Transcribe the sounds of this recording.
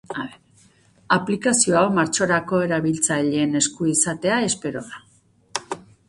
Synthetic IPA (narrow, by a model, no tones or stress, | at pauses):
aβeɾ | aplikasio̞awmaɾt͡ʃo̞ɾako̞e̞ɾaβilt͡saʎeːne̞skuisat̪e̞ae̞spe̞ɾo̞ða